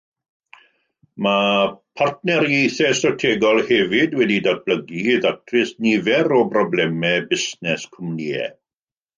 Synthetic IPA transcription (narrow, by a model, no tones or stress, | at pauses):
mapʰart̚nɛɾjejθɛstrɔtʰeɡɔlˠhɛvɪdwɛdidad̚b̥ləɡiːðatʰrɪsnivɛɾɔbrɔblɛmɛbɪsnɛskʰʊmniɛ̰